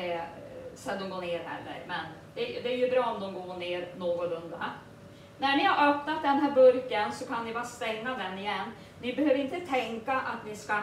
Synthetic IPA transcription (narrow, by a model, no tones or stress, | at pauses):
sɛnd̪ɔmɡoːɳeːɾhɛ̰lːə̰ɾmɛnd̪̥ɛjd̪ɛæɾjɵbɾɑːɔmd̪ɔmɡoːɳeːɾnoːɡʊlɵnd̪a̰ | næɳɪhaɾœpnat̪̚d̪ɛnɦæːɾbɵɾkənsɔkʰanvɪbɑːst̪ɛŋːad̪ɛnːɪjɛnː | vɪbɛɦøːvəɾɪnt̪ət̪ʰɛŋkaʔat̪vɪska